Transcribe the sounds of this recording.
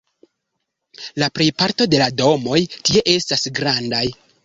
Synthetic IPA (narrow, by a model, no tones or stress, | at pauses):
lapɾe̞jpaɾto̞de̞lado̞mo̞jtie̞ʔe̞stasɡɾandaj